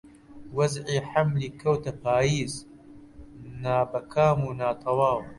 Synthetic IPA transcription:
wɐzʕiːħamliːkʰɐwt̪ɐpaːjiːz | naːbɐkʰaːmuːnaːt̪ʰɐwaːw

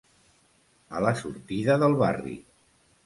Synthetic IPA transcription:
ələsuɾt̪iðəðəlˠβarḭ

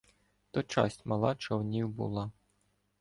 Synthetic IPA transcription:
t̪ɔt͡ʃɑ̰sʲtʲmɐlˠɑt͡ʃɔwnʲiwbṵlˠɑ

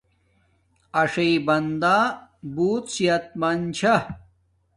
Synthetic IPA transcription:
ɐʂɐibɐnd̪aːbuːt̪siɐt̪̚mɐnt͡ɕʰɐ

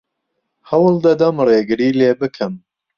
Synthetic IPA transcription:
hɐwlˠd̪ɐd̪ɐmreːɡɨɾiːleːbɨkʰɨm

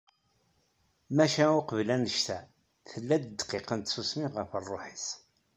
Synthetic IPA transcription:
mæʃæʊqəvlænəʃt̪æ | θəlːæd̪d̪qeqənt̪susmiʁəfərˤːoħis

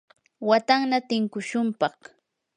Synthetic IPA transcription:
wat̪aŋnat̪ɪŋkʊʃʊmpɑχ

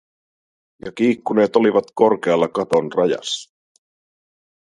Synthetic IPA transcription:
jɑk̟iːkːune̞ːt̪o̞liʋɑt̪ko̞rk̟eɑlːɑkɑt̪o̞nrɑjɑ̰sːɑ̥

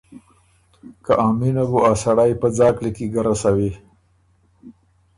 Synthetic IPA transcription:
kaʔɑːminabuasaɽajpəd͡zɑklikiɡaɾasawi

